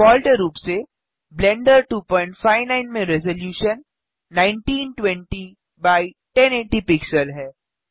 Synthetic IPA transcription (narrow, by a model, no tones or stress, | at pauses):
ɔːlʈeɾuːpse | blɛ̃ɳɖəɾʈuːpɔ̃ːɪ̃ɳʈfaːɪʋnãɪnmẽɾɛzoljuːʃənː | ãɪ̃ɳʈiːnʈwɛ̃ɳʈi | baːi | ʈɛ̃neːʈipɪksəlɦɛː